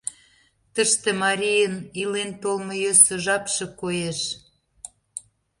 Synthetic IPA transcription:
t̪əʃt̪emɑɾʲijənilent̪olmə̆jøsə̆ʒɑpʃĕkojeʃ

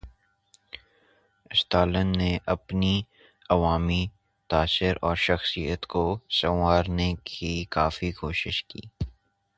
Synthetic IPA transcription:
ɪst̪aːlənːeʔɐpni | ɐʋaːmi | t̪aːsɪɾɔːɾʃɐxsijət̪kosɐwaːɾnekʰikaːfikoːʃɪʃkḭː

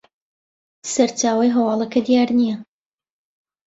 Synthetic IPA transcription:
sɐɾt͡ʃaːwɐjɦɐwɑːlˠɐkʰɐd̪ijaːɾnijɐ

